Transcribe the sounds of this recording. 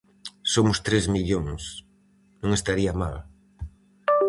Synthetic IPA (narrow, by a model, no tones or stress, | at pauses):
somʊst̪ɾezmiʎoŋs | nũŋest̪aɾiama̰l